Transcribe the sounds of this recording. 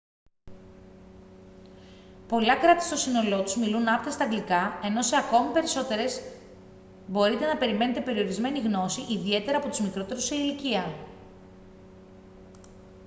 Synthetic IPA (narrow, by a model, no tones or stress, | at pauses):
po̞lɐkɾɐt̪i̥st̪o̞sino̞lo̞t̪uzmilunɐpt̪ɐst̪ɐɡlikɐe̞no̞se̞ɐko̞mipe̞ɾiso̞t̪e̞ɾe̞z | bo̞ɾit̪e̞nɐpe̞ɾime̞ne̞t̪e̞pe̞ɾio̞ɾizme̞niɣno̞siʔiðie̞t̪e̞ɾɐːpo̞t̪uzmikɾo̞t̪e̞ɾuseiliciɐ